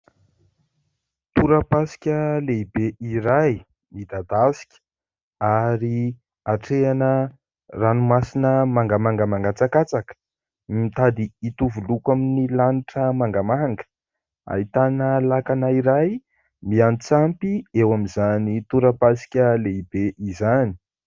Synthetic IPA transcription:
t̪uɾəpasi̥kʲəleibeiɾaj | mid̪ad̪asi̥kʲə̥ | aɾi | aʈ͡ʂeanə | ranumasinəmaŋɡamaŋɡamaŋɡat͡sakat͡sakə̥ | mmit̪ad̪iːt̪uvulukaminilaniʈ͡ʂəmaŋɡamaŋɡə̥ | a̰it̪anəlakanaiɾaj | miant͡sampiewamizanit̪uɾəpasi̥kʲəleibeʔizani̥

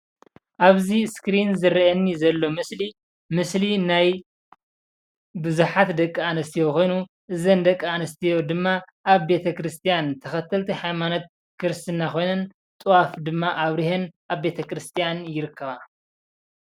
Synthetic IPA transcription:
ʔaβziskɾinzɨɾiʔɐnːizɐlːo̞mɨsli | mɨslinaj | bɨzuħat̪d̪ɐkʼːianɐst̪ʰijo̞ko̞jnu | ʔɨzɐnd̪ɐkʼːianɐst̪ʰijo̞d̪ɨmːa | ʔaβbe̞t̪ʰɐkɾɨst̪ʰijant̪ʰɐxɐt̪ʰːɐlt̪ʰiħajmanot̪̚ | kʰɨɾɨst̪ʰɨnːaxo̞jnɐn | t̪ʼɨwafd̪ɨmːaʔaβɾihenʔaβbe̞t̪ʰɐkɾɨst̪ʰijanjɪɾɨkʰːɐβa

